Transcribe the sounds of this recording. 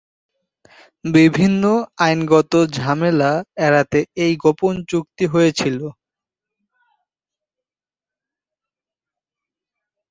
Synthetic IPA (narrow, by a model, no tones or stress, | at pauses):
bibʱinːoajnɡɔt̪od͡ʑʱamelaɛɾat̪eejɡopont͡ɕuk̚t̪iɦojet͡ɕʰilo